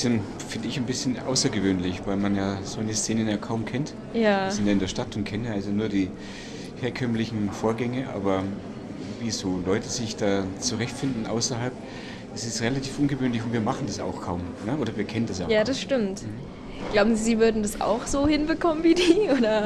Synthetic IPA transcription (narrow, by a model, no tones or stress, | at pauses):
sɪn | fɪndəɪçanbɪsçənʔa̰ʊsɐɡəvøːnlɪçvaɪlmanjaːzoçəst͡seːnənjaːkʰaʊmkʰɛnt | jḁːɪntjaːɪndeɐʃtatʊnt̚kʰɛnənʔalzonuːɐdiː | heːɐkʰœmlɪçn̩foːɐɡɛŋəʔa̰ːbɐ | viːzoːlɔʏtəzɪçd̥aːt͡suʁɛçtfɪndn̩ʔa̰ʊsɐɦalp | ʔɪstɛsʁelatʰiːfʔʊnɡəvøːnlɪçʊntviːɐmaχn̩dasa̰ʊxkʰaʊm | nəʔoːɾɐviːɐkʰɛnəndasja̰jaːdasʃtɪmtm̩h̩ | ɡ̥laʊbm̩zziːvʏɐdn̩dasʔa̰ʊxz̥oːhɪnbəkʰɔmənviːdiːʔoːɾɐ